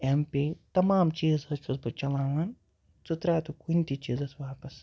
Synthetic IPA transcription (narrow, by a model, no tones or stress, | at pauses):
empʲiːt̪ɐmaːmt͡ʃiːzɐst͡ʃusbɐt͡ʃɐlaːʋɐn | t͡sut̪ɾaːt̪ukunʲt̪it͡ʃiːzɐsʋaːpɐs